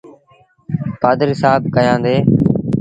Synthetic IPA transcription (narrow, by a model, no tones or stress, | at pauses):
paːd̪əɾɪsaːb̚kəjãːnd̪eː